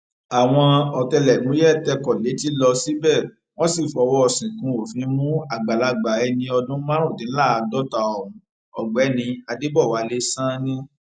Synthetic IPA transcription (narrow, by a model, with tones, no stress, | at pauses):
a˨w̃ɔ̃˧ɔ˨tɛ˧lɛ˨nũ˨˦ɛ˦˨tɛ˧kɔ˨le˨˦ti˦lɔ˧si˦bɛ˦˨ | w̃ɔ̃˦si˦˨fɔ˨˦wɔ˦ɔ˧˨sĩ˨kũ˨˧˦o˨fĩ˨˦mũ˦a˦˨ɡ͡ba˨la˧ɡ͡ba˨ɛ˧nĩ˧ɔ˧dũ˦mã˦ɾ̃ũ˦˨dĩ˨˦la˦˨a˧dɔ˦ta˧ɔ˨ɾũ˨˦ | ɔ˨ɡ͡bɛ˨˦nĩ˧a˧de˦bɔ˦˨wa˨˦le˦sã˦nĩ˦